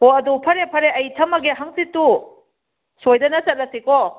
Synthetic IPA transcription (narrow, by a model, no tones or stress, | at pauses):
hoɐdupʰɐɾepʰɐɾeʔɐjtʰɐmɐɡeɦaŋsitːu | sojdɐnɐsɐt̚lɐsikɔ